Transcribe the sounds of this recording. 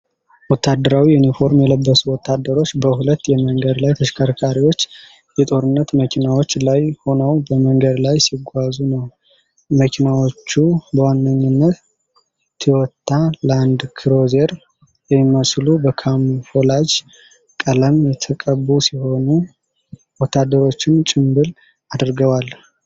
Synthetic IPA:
wɔt̪ʰːad̪ːəɾawiunifo̞ɾmjɛləbːəsuwɔt̪ʰːad̪ːəɾo̞t͡ʃːbəhulət̪ːjɛməŋɡəd̪lajt̪ʰəʃkʰaɾkʰaɾiwo̞t͡ʃː | jɛt̪ʼo̞ɾɨnːət̪məkʰinawo̞t͡ʃːlajho̞nəwbəməŋɡəd̪lajsiɡʷːazunəw | məkʰinawot͡ʃːubəwanːəɲːɨnːət̪ | t̪ʰːiwɔt̪ʰːaləand̪kʰiɾo̞zeɾ | jɛmimːəslubəkʰamfolad͡ʒ | kʼələmjɛt̪ʰəkʼəbusiho̞nu | wɔt̪ʰːad̪ːəɾo̞t͡ʃːɪnt͡ʃʼɪmbɨl | ad̪ɾɡəwal

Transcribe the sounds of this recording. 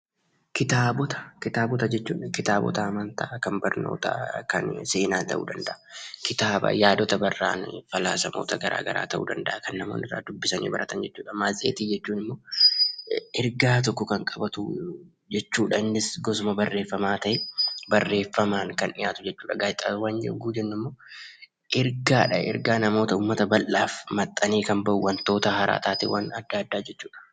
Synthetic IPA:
kɪt̪aːbɔt̪ɐ̥kɪt̪aːbɔt̪ɐd͡ʒɛt͡ʃːuːᶑɐkɪt̪aːbɔ̰t̪ɐɐmɐnt̪ʰaːkɐnbɐɾno̞̰ːt̪a̰kɐ̰nse̞ːnaːt̪ɐ̰ʔṵːd̪ɐnd̪ɐʔɐkɪt̪aːbɐ̰jaːd̪ɔt̪ɐbɐrːa̰ːnfɐla̰ːsɐmoːt̪ɐɡɐɾʔa̰ːɡɐ̰ɾa̰ːt̪ɐʔṵːd̪ɐnd̪ɐʔɐkɐnːɐmoːnɪrːa̰ːd̪ʊbːɪsɐnḭːbɐɾʔɐt̪ɐnd͡ʒɛt͡ʃːuːᶑɐmaːzḛːt̪iːd͡ʒɛt͡ʃːuːnɪmːoː | ʔɛɾɡaːt̪̬ɔkːɔkɐŋkʼɐbɐt̪ʊ | d͡ʒɛt͡ʃːuːᶑɐɪnːɪsɡɔsʊmɐbɐrːe̞ːfːɐmaːt̪ɐʔɛbɐrːe̞ːfːɐmaːŋkɐnʔɪjaːt̪ʊd͡ʒɛt͡ʃːuːᶑɐɡaːjɪt̪ʼa̰ːwaːnd͡ʒɛ̰ɡuːd͡ʒɛnːʊmːo̞ː | ʔɛɾɡaːᶑɐ̰ɛ̰ɾɡaːnɐmo̞ːt̪ɐuːmːɐt̪ɐbɐlːaːfmɐt̪ʼːɐniːkɐmbɐʔuwːɐnt̪o̞ːt̪ɐɦɐɾʔa̰ːt̪aːt̪ɛ̰wɐnɐd̪ːaːd̪ːaːd͡ʒɛt͡ʃːuːᶑɐ̥

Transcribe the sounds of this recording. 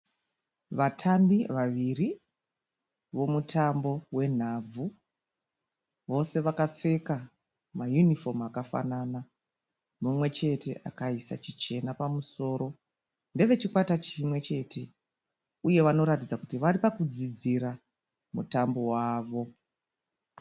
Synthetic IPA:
ʋatʰambiʋaʋiri | ʋo̞mutʰambo̞we̞n̤ab͡vu | ʋo̞se̞ʋakap͡fe̞ka | majunifomakafa̰nana | mumwe̞t͡ʃe̞te̞̰ʔa̰kaisa̰t͡ʃit͡ʃe̞napamuso̞ːɾo̞ | nde̞ʋe̞t͡ʃikwatat͡ʃimwe̞t͡ʃe̞tʰe̞ | uje̞ʋano̞ɾatid͡zakutiʋaripakud͡zid͡ziɾa | mṵtambo̞waːʋo̞

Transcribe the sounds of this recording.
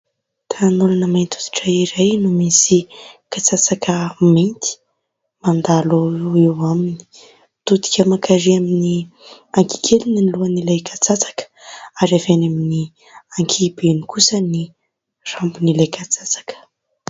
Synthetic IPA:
t̪ʰanulanəmejnt̪u̥t̪i̥ʈ͡ʂaiɾajnumisikat͡sat͡sakʰəment̪i̥ | mand̪aloewamini̥ | t̪ut̪i̥kʲəmakʰaɾiamini | aŋki̥kʰelininluanilajkʰat͡sat͡sḁkə̥aɾavenamini | aŋkʰibenikusəni | r̥ambunilajkat͡sat͡sḁkə̥

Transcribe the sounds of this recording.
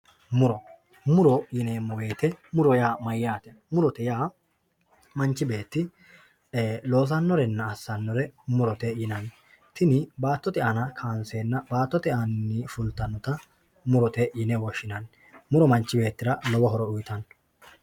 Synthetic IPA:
mʊɾɔ | mʊɾɔjɪneːmːɔɡe̞ːt̪ɛmʊɾɔjaːmɐjːaːt̪ɛ | mʊɾɔt̪ɛjaː | mɐnt͡ʃːɪbe̞ːt̪ːɪ | lo̞ːs̬ɐnːɔɾɛnːɐːsːɐnːɔɾɛmʊɾɔt̪ɛjɪnɐn | t̪ɪnɪbaːt̪ːɔt̪ɛʔɐnɐkʰaːnseːnːɐbaːt̪ːɔt̪ɛʔɐnːɪfʊlt̪ːɐnːɔt̪ɐ | mʊɾɔt̪ɛjɪnɛwɔʃːɪnɐn | mʊɾɔmɐnt͡ʃːɪbe̞ːt̪ːɪɾɐlɔwɔɦɔɾɔʊjt̪ɐn

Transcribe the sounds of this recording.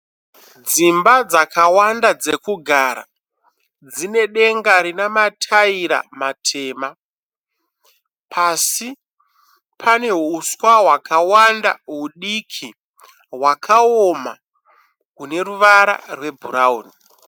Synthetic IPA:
d͡zimbad͡zakawandad͡ze̞kuɡʱaɾa̰ | d͡zine̞ɗe̞ŋɡaɾinamatʰaiɾa̰matʰe̞ːma | pʰasi | pʰane̞ɦuswaɦwakawanda̰ɦuɗikʰi | ɦwakʰao̞ma̰ | kune̞ruʋaɾa̰rwe̞bʱurauni

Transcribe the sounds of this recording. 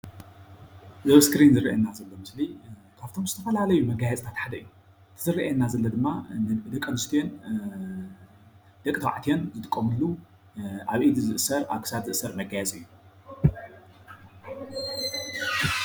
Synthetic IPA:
zɐβskɾinzɨɾḭʔɐ̰nːazɐlːo̞mɨsli | kʰaβt̪ʰo̞mzɨt̪ʰɐfɐlalɐjumɐɡajɛt͡sʼt̪ʰat̪ħad̪ɐijːu | ɨt̪ʰɨzɨriʔɛnːazɐlːɐd̪ɨmːanɨd̪ɐkʼːɐnɨst̪ʰijon | d̪̥ɐkʼt̪ʰɐwaʕt̪ijo̞nzɨt̪ʼɨkʼːomɨlːu | ʔaβʔid̪izɨʔɨsɐɾa̰βkʰɨ̥sat̪zɨʔɨsːɐɾmɐɡajɛt͡sʼɨjːu

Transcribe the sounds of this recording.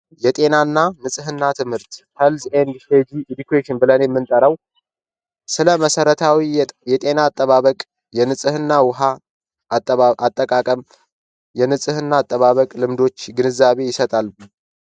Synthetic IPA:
jɛt̪ʼe̞nanːanɨsʼɨɦɨnːat̪ʰɨmhɨɾt̪həlzend̪fed͡ʒiʔd̪ikʰweʃɪnbɨlənjɛmːɨnt̪ʼəɾəw | sɨləməsəɾət̪ʰawijɛt̪ʼe̞naːt̪ʼːəβaβəkʼ | jɛnɨsʼɨhɨnːawʊɦa | ʔat̪ʼːəkʼakʼəm | jɛnɨsʼɨhɨnːaːt̪ʼːəβaβəkʼlɨmd̪o̞t͡ʃːɡɨnɨzːaβe̞jɪsət̪ʼal

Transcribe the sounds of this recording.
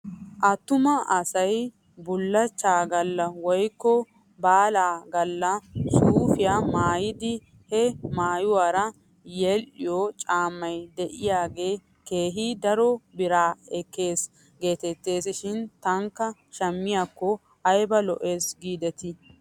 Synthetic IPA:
ʔɐt̪ːʊmɐʔɐsɐj | bʊlːɐt͡ʃːaːɡɐlːɐwɔjkːɔ | baːlaːɡɐlːɐsʼuːfɪjaːmaːjɪd̪ɪ | hɛmaːjʊwaːɾɐ | jɛlʔɪjɔt͡ʃʼaːmːɐjd̪ɛʔɪjaːɡe̞ː | ke̞ːɦid̪ɐɾɔbɪɾaːɛkːeːs | ɡe̞ːt̪ɛt̪ːe̞ːsɪʃɪnt̪ɐŋkːɐʃɐmːɪjakːɔ | ɐjbɐlɔ̰ʔeːsɡiːd̪ɛt̪ɪ

